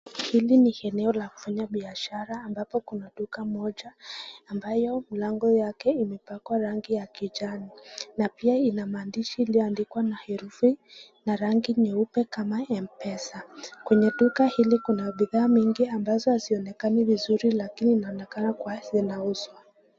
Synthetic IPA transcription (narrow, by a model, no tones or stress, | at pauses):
hilinihɛnɛɔlaku̥faɲaɓiaʃaɾaːmbapɔkunaɗukamɔʄaːmbajɔmilaŋɡɔjakɛimɛpakwaɾaŋɡijakiʄaninapiainamaːndiʃiːliɔandikwanahɛɾufinaɾaŋɡiɲɛupɛkamaɛmpɛsakwɛɲɛɗukahilikunaɓiðaːmiŋɡiambazɔhaziɔnɛkanivizuɾilakininaɔnɛkanakwazinauzwa